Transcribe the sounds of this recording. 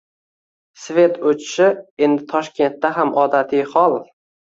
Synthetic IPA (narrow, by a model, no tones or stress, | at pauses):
sve̞t̪ot͡ʃʰɪ̥ʃɪe̞nd̪ɪt̪ʰɒʃkʲe̞nt̪ːaɦamʔɒd̪at̪ʰijhɒlˠ